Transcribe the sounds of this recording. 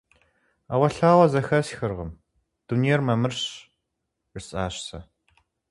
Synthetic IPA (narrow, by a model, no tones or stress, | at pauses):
a̰ːwɐɬaːwɐzɐxɐsxɨrʁəm | d̥unejɛrmɐmɨrɕ | ɪsʼaːɕsɐ